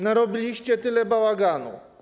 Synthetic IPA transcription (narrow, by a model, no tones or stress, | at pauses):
naɾɔbʲilʲiɕt͡ɕɛt̪ɘlɛbawaɡanṵ